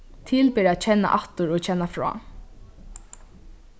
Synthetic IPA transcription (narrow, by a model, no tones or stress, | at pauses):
t̪ʰɪlpɪːɾaːt̪̚t͡ʃʰɛnːa̰ʔaht̪ʊɾot͡ɕʰɛnːafɹɔ̰ː